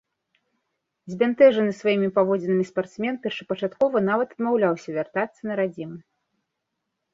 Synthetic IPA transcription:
zʲbʲant̪ɛʐɐnɨsvajimʲipavɔd͡zʲɛnɨmʲispart̪smʲɛnpʲɛrʂɐ̥pɐt͡ʂat̪kɔvɐnavɐt̪ɐd̪mawlʲawsʲɐvʲart̪at̪sːɐnɐɾad͡zʲimɨ

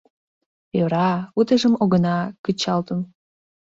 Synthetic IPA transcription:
øɾɑut̪əʒəmoɣənɑkət͡ɕɑlt̪əm

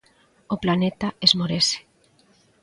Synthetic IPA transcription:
oplanet̪aezmoɾese̥

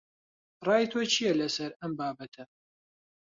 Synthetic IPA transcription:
rˤɑːjt̪ʰoːt͡ʃʰijɛlɐsɐɾɐmbaːbɐt̪ʰɐ

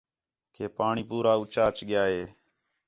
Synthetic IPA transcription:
kʰeːpaːɳiːpuːɾaːʊt͡ʃaːt͡ʃɠɪjaːɦeː

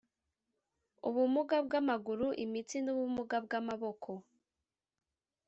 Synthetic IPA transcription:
uβumuɡabɡamaɡuɾuʔimit͡sinuβumuɡab̚ɡamaβo̞kʰo̞

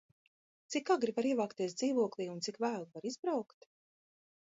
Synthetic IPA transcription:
t̪sikaɡɾivaɾiɛvaːkt̪iɛsd̪ziːvuɔklˠiːunt̪sikvæːlˠvaɾizbɾawkt̪

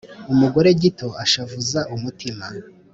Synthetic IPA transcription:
umuɡo̞ɾe̞ɟito̞aʃavuzaʔumutʰima

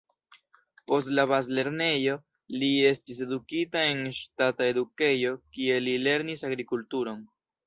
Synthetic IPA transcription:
po̞stlaβazle̞ɾne̞jo̞ | lie̞stis̬e̞dukitae̞nʃtatae̞duke̞jo̞kie̞lile̞ɾnisaɡɾikultuɾo̞n

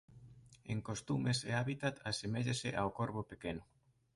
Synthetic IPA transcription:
eŋkost̪umeseaβit̪at̪asemeʎeseʔawkoɾβopekenʊ

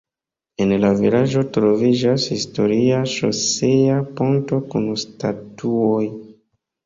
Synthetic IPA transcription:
e̞nlavilad͡ʒo̞tɾo̞vid͡ʒashisto̞ɾiaʃo̰seapo̞nto̞kunstatuoj

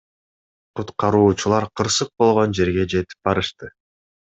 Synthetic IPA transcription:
qut̪qɑɾuːt͡ʃulˠɑɾqʰɯɾsɯq̚bo̞lˠʁo̞nd͡ʒe̞ɾɡe̞d͡ʒe̞t̪i̥p̚bɑɾɯʃt̪ɯ

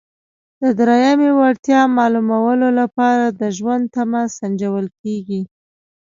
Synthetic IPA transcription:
d̪̥əd̪ɾajamewaɽt̪jɑmɑlumawəlolapɑɾad̪əʒwand̪̚t̪amasand͡ʒawəlkeɡi

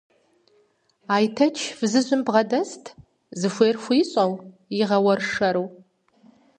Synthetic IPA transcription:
aːjtʰɐt͡ʃʰvzɨʒʷʊmbʁɐdɐstʰ | zɨfʷeːrxʷiɕʼɐw | iʁɐwɐrʂɐɾuw

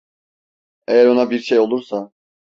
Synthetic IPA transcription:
ejæɾo̞nabiɾʃejolˠuɾsa

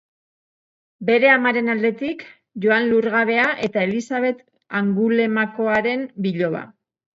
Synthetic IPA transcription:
be̞ɾe̞amaɾe̞nald̪e̞t̪ik | ʝo̞anluɾɣaβe̞aʔe̞t̪ae̞lisaβ̞e̞t̪ | aŋɡule̞mako̞aɾe̞mbiʎo̞βa̰

